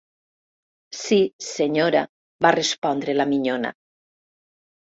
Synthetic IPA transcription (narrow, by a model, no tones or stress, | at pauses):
siseɲoɾa | βarespɔnd̪ɾelamiɲona̰